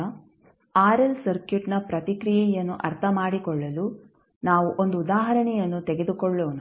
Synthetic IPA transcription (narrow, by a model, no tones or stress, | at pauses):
ɐ | aːɾɐlsɐɾkjuʈnɐpɾɐt̪ikɾijɛjɐnːuʔɐɾt̪ʰɐmaːɽikɔɭːɐlu | naːʋuʔond̪uːd̪aːɦɐɾɐɳɛjɐnːut̪eɡe̞d̪ukɔɭːoːnu